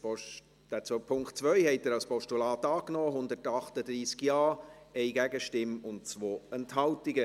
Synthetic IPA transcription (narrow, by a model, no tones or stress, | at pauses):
p | d̥æːt͡sopʰʊŋktt͡svœʏhɛɪt̚ɛːɾɑlspɔʃtulɑːtɑːknɔːɦʊndətɑχtədɾiːskjɑːɛɪɡæɡəʃtɪmʊntt͡svoːɛnthɑltɪɡə